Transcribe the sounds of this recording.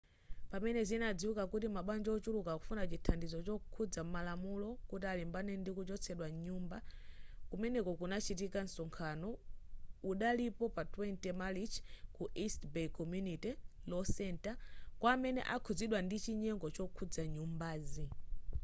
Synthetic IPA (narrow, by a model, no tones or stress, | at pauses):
pamɛnɛzinad͡ziwukakutimaɓwand͡ʒɔt͡ʃulukaku̥funat͡ʃitʰandizɔt͡ʃɔukʰud͡zam̩malamulɔkutialimbanɛndikut͡ʃɔt͡sʰɛɗwaɲumbakumɛnɛkɔkunat͡ʃit̬ikan̩sɔŋkʰanɔ | uɗalipɔpatwɛntɛmalit͡ʃkuʔistbɛkɔmjunitilɔsɛntakwamɛnɛ̰ʔakʰud͡ziɗwandit͡ʃiɲɛŋɡɔt͡ʃɔkʰud͡zaɲumbaːzi